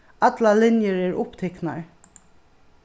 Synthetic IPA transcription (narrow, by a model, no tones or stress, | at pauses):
at̪lalɪnjəɹɛɹʔʊpt̪ʰɛkna̰ɹ